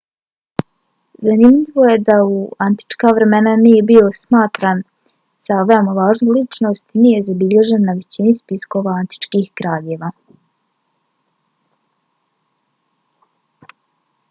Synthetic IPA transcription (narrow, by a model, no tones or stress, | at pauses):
zanimʎiʋo̞je̞d̪auant̪i̥t͡ʃkaʋɾe̞me̞nanije̞bio̞smaːt̪ɾaːn | saʋemoʋaːʒnulit͡ʃno̞ːst̪nije̞zabiʎe̞ʒe̞nːaʋe̞t͡ɕinispisko̞ʋaant̪i̥t͡ʃkiːxkɾaːʎe̞ːʋa